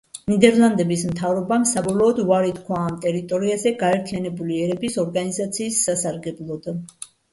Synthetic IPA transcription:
nid̪ɛɾlˠand̪ɛbismt̪ʰavɾɔbamsabɔlˠɔːd̪uvaɾit̪ʰkʰwaːmt̪ʼɛɾit̪ʼɔɾiazɛɡaɛɾt̪ʰijanɛbuliɛɾɛbisɔɾɡanizat̪sʰiːsːasaɾɡɛblˠɔd̪

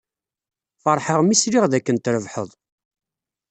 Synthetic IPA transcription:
fɑɾˤħəʁmisɾiʁðækːənt̪ɾəvħəðˤ

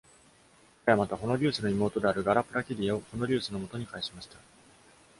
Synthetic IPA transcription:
ḁkajamat̪aho̞no̞ɾʲɨ̟ːsɨno̞imo̞ːt̪o̞d̪e̞aɾɯ̟ɡaɾapɯɾakʲiɾʲio̞ho̞no̞ɾʲɨːsɨno̞mo̞t̪o̞ɲ̟ikaiɕimaɕi̥t̪ḁ

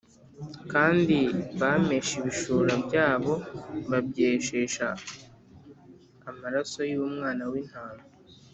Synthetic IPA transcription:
kaːndiβame̞ʃiβiʃuːɾabɟaːβo̞βabɟeʃeʃa̰ | maɾaso̞juumŋaːnawin̥haːŋo

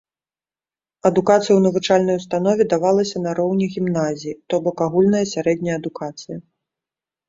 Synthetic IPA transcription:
ɐd̪ukat̪sɨjwnɐvut͡ʂalʲnɐjust̪an̪ɔvʲɛd̪avalˠɐsʲɐnɐɾɔwnʲɛɣʲimnazʲijit̪ɔbɔkaɣulʲnɐjɐsʲaɾɛd̪ʲnʲɐjɐɐd̪ukat̪sɨjɐ

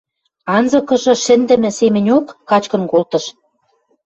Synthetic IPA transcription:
ɑnzɤ̆kɤ̆ʒɤ̆ʃɘ̆nd̪ɘ̆mɘ̆semɘ̆nʲokːɑt͡ɕkɤ̆nkolt̪ɤ̆ʃ

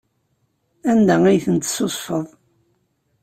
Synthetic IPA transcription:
ænd̪ææjθənt̪sosˤfəðˤ

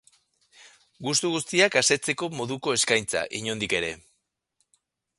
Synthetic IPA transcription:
ɡust̪uɣ̞ust̪iakase̞t͡se̞ko̞mo̞ðuko̞e̞skajnt͡sa̰ʔiɲo̞nd̪ike̞ɾe̞

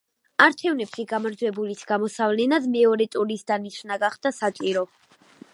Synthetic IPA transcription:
aɾt͡ʃʰɛvnɛpʃiɡamaɾd͡ʒwɛbulisɡamɔsavlɛnad̪mɛɔɾɛt̪ʼuɾisd̪aniʃʰnaɡaχd̪̥asat͡ʃʼiɾɔ

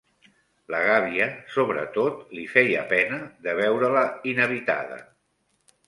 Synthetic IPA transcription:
ləɣaβiəsoβɾə̰t̪ot̪lifɛjə̰pɛnəðəβɛwɾələinəβit̪a̰ðə̰

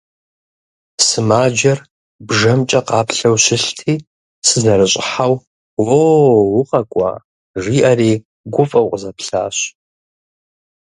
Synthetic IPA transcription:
sɨmaːd͡ʒɐr | bʐɐmt͡ʃʼɐqɑːpʰɬɐwɕɪɬtʰiː | sɨznɐrɨɕʼħaw | wowʊqʼɐkʷʼa̰ | ʐiːʔariː | ɡʷʊfʼɐwqʼəzɐpʰɬa̰ːɕ

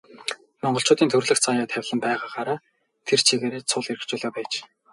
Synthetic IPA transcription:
mɔɴɢɞ̆ɬt͡ɕʊːt̪iːnt̪ʰɵrɮɘ̆xt͡sʰajaːt̪ʰæwʲɮə̆mpæːʁaːχaːɾaː | t̪ʰer̥t͡ɕʰiɣeːɾeːt͡sʰʊɮeɾɘ̆kt͡ɕʊːɮaːpæːt͡ɕ

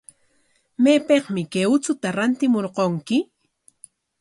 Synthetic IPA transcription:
meːpeχmɪkeʊt͡sʊt̪aɾant̪ɪmoɾqoŋkɪ

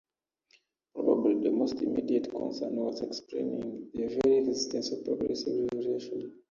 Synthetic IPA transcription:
pɹɔba̰bliðəmostḭmidiətkʰɔ̰̃nsə̰̃nwɔzɛksplḛ̃nĩŋðəvɛɹiɹɛzistɛ̃nsɔvpɹɔɡɹɛ̰sivɹiɹɛʃɔn

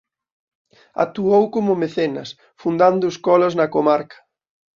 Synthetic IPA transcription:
a̰t̪uowkomʊmeθenɐ̰s | fund̪and̪ʊskɔlɐznɐkomaɾkɐ̥

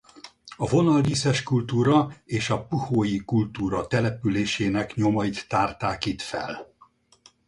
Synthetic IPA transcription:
ɒvo̞nɒlviːsɛʃkult̪uːɾɒeːʃɒpuhoːjikult̪uːɾɒt̪ɛlɛpyleːʃeːnɛkɲo̞mɒit̪ːaːrt̪aːkit̪fɛ̰l

